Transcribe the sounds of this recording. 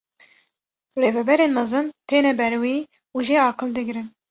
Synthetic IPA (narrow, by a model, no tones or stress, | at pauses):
reːvɛbɛɾeːnmɛzɨnt̪ʰeːnɛbɛɾwiː | uʒeɑːqɨld̪ɨɡɾɨn